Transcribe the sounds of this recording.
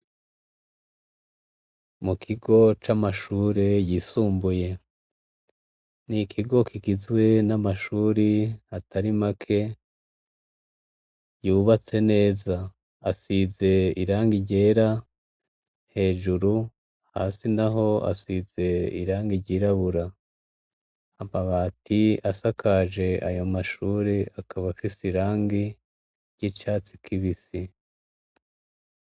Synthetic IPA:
mukʰiɡo̞t͡ʃamaʃuːɾe̞jisuːmbuje̞ | nikʰiɡo̞kʰiɡizwe̞namaʃuːɾihatʰaɾimakʰe̞ | juːβat͡se̞ne̞ːza | asize̞iɾaːŋɡiɟe̞ːɾa | he̞ːʒuɾu | ha̰ːsinaɦo̞a̰size̞ḭɾaːŋɡiɟiːɾaβuɾa | amaβaːtiasakʰaʒe̞a̰jo̞maʃuːɾeakaβafisiɾaːŋɡi | ɾɟit͡ʃaːt͡sikʰiβisi

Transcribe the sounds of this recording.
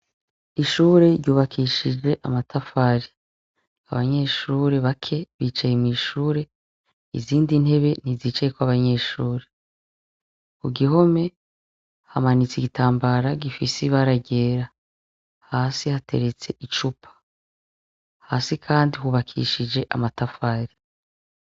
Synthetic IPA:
iʃuːɾe̞ɾɟuːβakʰiʃid͡ʒe̞ʔamatʰafaɾi | aβa̰ɲe̞ʃuːɾe̞βakʰe̞βiːt͡ʃajemŋiːʃuːɾe̞ | ḭziːndin̥he̞βe̞niziːt͡ʃajekwaβaɲe̞ʃuːɾe̞ | kuɡiɦo̞me̞ | hamanit͡siɡitaːmbaɾaɡifisiβaɾaɟe̞ːɾa | haːsihateɾet͡se̞ʔit͡ʃupʰḁ | haːsikʰaːndihuβakʰḭʃid͡ʒe̞ʔa̰matafaːɾi

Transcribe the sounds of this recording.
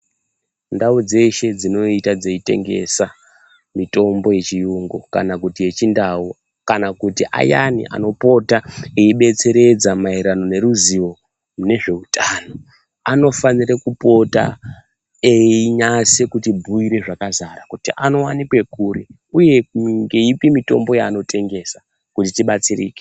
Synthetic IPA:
ndaud͡ze̞ʃe̞d͡zino̞itad͡zeite̞̰ŋɡe̞̰sa | mito̞mbo̞je̞t͡ʃijuŋɡoka̰nakutije̞t͡ʃindau | kanakutiʔa̰janḭʔa̰no̞po̞taeiɓe̞t͡se̞ɾe̞d͡zamairano̞ne̞ɾuziwo̞ | mune̞ʐe̞utʰaːno̞ | ano̞fanirekupo̞ta̰ | eiɲasekutibʱuiɾe̞ʐakazaɾakutiʔano̞wanikwe̞kuɾi | uje̞ŋɡe̞ipimito̞̰mbo̞jaːno̞tʰe̞ŋɡe̞sa | kutitiɓat͡sirḭːke̥

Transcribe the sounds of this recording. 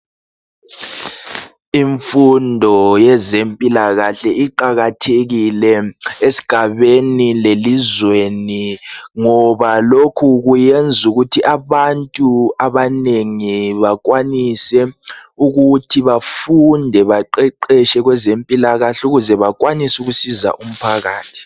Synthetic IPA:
iɱfundʱɔjɛzempʼilaɣaɬɛiǃaɣatʰeɣilɛesi̥ɡ̥ʱaβenilelizweniŋɔβalokʰuɣujend͡zʱuɣutʰiʔaβantʼuaβaneŋiβak̬wanisɛuɣutʰiβafundʱɛβaǃɛǃɛʃɛɣwɛzempʼilaɣaɬuɣuzɛβakwanisuɣusiza̰ʔum̩pʰaɣaːtʰi̥

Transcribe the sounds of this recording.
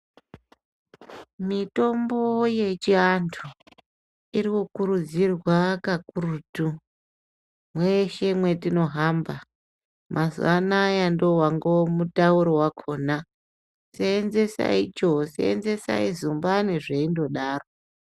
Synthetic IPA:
mito̞mbo̞je̞t͡ʃiantʰu | iɾikukuɾud͡zirwakakurutu | mweʃe̞mwe̞tino̞ɦamba | mʔazṵanajando̞waŋɡomutauɾowakʰo̞ːna | seːnze̞sa̰it͡ʃo̞sḛḛnze̞sa̰izumbaneʐeindo̞ɗaːro

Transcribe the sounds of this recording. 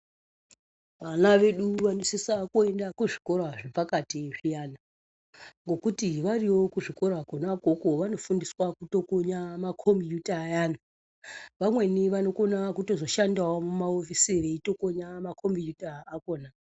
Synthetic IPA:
ʋanaʋe̞ɗuʋanosisakue̞ndakuʐiko̞raʐipakatiʐijana | ŋɡo̞kutiʋariwo̞kuʐiko̞ɾakonakokoʋano̞fundiswakuto̞koɲamakʰo̞mbijutaːjaːna | ʋamwe̞niʋano̞ko̞nakuto̞zoʃandawomumaofisiɾeito̞koɲamakʰombijutaːkoːna

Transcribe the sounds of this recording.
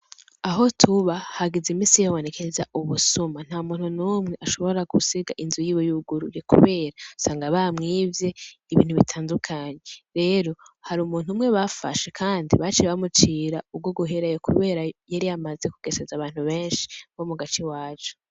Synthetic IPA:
aɦo̞tʰuβahaɡizimiːsijaβo̞ne̞kezaʔuβusuman̥haːumuːn̥hunuːmŋe̞ʔaʃo̞βo̞ɾaɡusiɡaʔinzujiːβojuɡuɾujekṵβe̞ːɾausaːŋɡaβamŋiːvje̞iβḭːn̥huβitʰaːndukʰaɲe̞ɾe̞ːɾo̞haɾiːmuːnhumŋe̞βafa̰ʃe̞kʰaːndḭβat͡ʃeβamut͡ʃiɾaub̚ɡo̞ɡuɦeɾajokʰṵβe̞ːɾajaɾijamazekuɡ̥e̞sezaβaːn̥huβe̞ːnʃi̥βo̞muɡat͡ʃiwaːt͡ʃo̥

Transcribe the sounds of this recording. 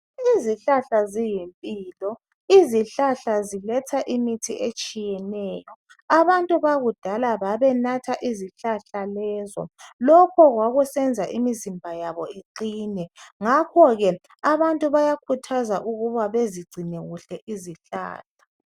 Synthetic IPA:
iziɬaɬazijempʼiːlɔ | iziɬaɬazilɛtʰaʔimitʰiʔet͡ʃʼijɛnɛːjɔ | aβantʼuβaɣud̥ʱalaβaβɛnatʰaʔiziɬaɬalɛːzɔ̰lɔkʰɔɣwaɣusɛnd͡zʱaʔimizimbʱajaβɔiǃiːnɛŋakʰɔɣɛ | aβantʼuβajakʰutʰazaʔuɣuβaβeziɡ͡ǀʱinɛɣuɬɛʔiziɬa̰ːɬḁ

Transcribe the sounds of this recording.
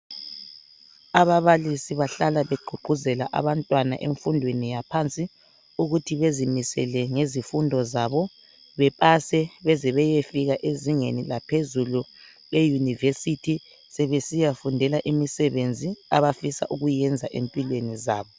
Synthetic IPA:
aβaβalisiβaɬalaβeɡ͡ǃʱuɡ͡ǃʱuzɛlaʔa̰βantʼwana̰ʔeɱfundʱwenijapʰant͡sʼi | uɣutʰiβezimisɛ̰lɛŋezifundʱɔzaβɔ | βɛpʼasɛβɛzɛβɛjefiɣaʔeziŋenilapʰezulu | lejunivesitʰi | sɛβesijafundʱɛlaʔimisɛβend͡zʱiaβafisa̰ʔuɣujɛnd͡zʱaʔempʼilwenizaːβɔ

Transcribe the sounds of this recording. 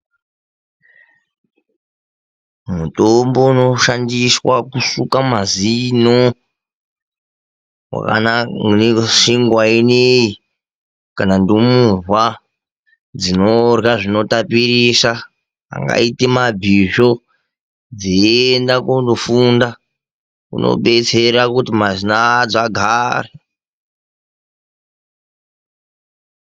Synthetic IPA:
mutombo̞uno̞ʃandiswakusukamazino | wa̰ka̰na | ʂiŋɡwainei | kanandomurwa | d͡zino̞rɣaʐino̞tapirisa | a̰ŋɡa̰itimabʱiʐo̞ | d͡ziendakundofunda | kṵnʔo̰ɓe̞t͡se̞ɾakutimazinad͡zaɡʱare

